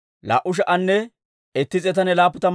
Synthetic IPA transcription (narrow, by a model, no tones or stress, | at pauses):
la̰ːʔʊʃ̬ɐʔɐnːɛ | ɛt̪ːɪt͡sʼɛt̪̬ɐnɛlaːpːʊt̪ɐ